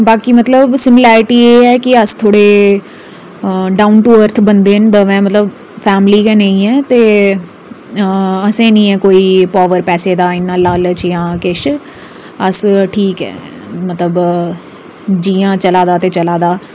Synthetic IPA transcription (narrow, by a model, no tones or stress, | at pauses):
baːkiːmət̪ləbsɪmɪlɛːɾɪʈiːeːɛːkɪəst̪ʰoːɽeː | ɖaːʊnʈuːəɾt̪ʰbənd̪eːnd̪əʋɛ̃ːmət̪ləb | fʰɛːmliːkɛːnẽĩːɛːt̪eː | əsẽːnĩːɛ̃ːkoːiːpaːʋəɾpɛːseːd̪aːɪnːãːlaːlt͡ʃjãːkɪʃ | əsʈʰiːkɛ̰ː | mət̪ləb | d͡ʒiːãːt͡ʃəlaːd̪aːt̪eːt͡ʃəlaːd̪aː